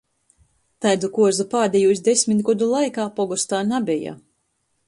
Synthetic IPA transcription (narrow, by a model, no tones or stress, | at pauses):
t̪ajd̪ukuɔzupaːd̪ʲejusd̪esʲmʲit̪ʲɡɔd̪ulˠajkaːpɔɡɔst̪aːnabʲɛja̰